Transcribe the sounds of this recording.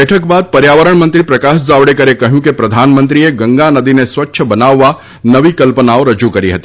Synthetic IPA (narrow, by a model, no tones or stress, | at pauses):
ɛːʈʰək̚baːd̪̚pɐɾjaːʋəɾəɽ̃mɐ̃nt̪ɾipɾɐkaːʃd͡ʒaːʋɽekɐɾekɐɦjũkepɾɐd̪ʱaːnmə̃nt̪ɾieɡɐ̃ŋɡanɐd̪ineswɐtːʃʰbɐnaːʋa | nɐʋikɐlpənaːoɾɐd͡ʒukɐɾiɦɐt̪i